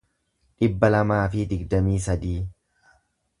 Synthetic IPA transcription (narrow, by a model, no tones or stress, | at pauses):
ᶑɪbːɐlɐmaːfɪd̪ɪɡd̪ɐmiːsɐd̪iː